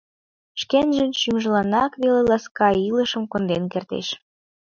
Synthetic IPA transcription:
ʃkenʒə̆nʃymʒəlɑnɑkβelelɑskɑiləʃə̆mkond̪enkert̪ḛʃ

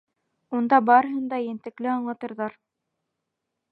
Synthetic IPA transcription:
und̪ɑbɑɾɤ̆ɦɤnd̪ɑjɘ̆nt̪ɘ̆klɘɑɴlˠɑt̪ɤ̆ɾðɑɾ

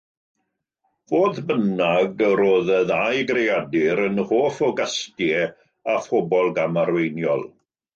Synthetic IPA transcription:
voːðbənaɡəɾoːðəðajɡrejadɪɾənhoːfɔɡastjɛ | afɔbɔlˠɡamaɾwejnjɔ̰lˠ

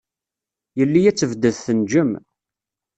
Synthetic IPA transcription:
jəlːijæt͡sːəvd̪əðθənd͡ʒəm

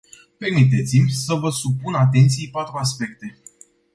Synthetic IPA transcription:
pe̞rmit̪̬e̞t̪simʲsəvəsupunat̪̬e̞nt̪sijpat̪ɾuaspe̞kt̪e̞

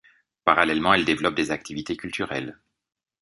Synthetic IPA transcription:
paʁalɛlmɑ̃ɛld̪evlɔp̚d̪ezak̚t̪ʰivit̪ekʲylt̪ʰyʁɛ̰l

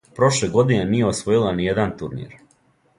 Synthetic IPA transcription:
pɾo̞ʃle̞ɡo̞d̪ine̞nije̞osʋo̞jilˠanijed̪ant̪uɾnḭɾ

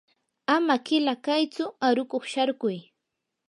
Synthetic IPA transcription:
amakɪlakajt͡sʊaɾʊkoχʃaɾkʊj

